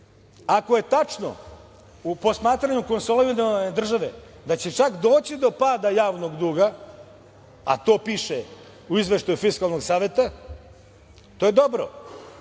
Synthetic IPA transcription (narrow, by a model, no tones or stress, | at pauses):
akoje̞t̪at͡ʂno̰ | upo̞smaːt̪ɾaɲuko̞nsolˠeined̪r̩ʒaʋḛ | d̪at͡ɕet͡ʂakd̪o̞ːt͡ɕid̪o̞paːd̪ajaːʋno̞ɡd̪uːɡa | a̰t̪o̞ːpiʃe | uizʋeʃt̪ajufiskalˠno̞ɡsaːʋe̞t̪a | t̪ojed̪o̞bɾo̰